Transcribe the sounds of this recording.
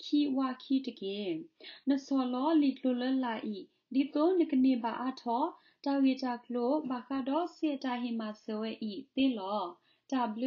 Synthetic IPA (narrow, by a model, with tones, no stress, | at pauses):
kʰi˨wa˧˨kʰi˦˨də˨ɡɛ˨nə˨sɔ˨lɔ˨˦li˨kʰlo˨lɛ˦la˨ʔi˦˨ | li˨t̪o˦nə˨kə˨ne˨ba̰˨ʔa˦tʰɔ˦ | d̥a˨we˨da˨kʰl̥o˨ba˨xa˦dɔ˦sɛ˨da˨ɦi˨ma˨sə˨wɛ˦ʔi˦˨t̪e˦lɔ˦ | d̥a˨bəl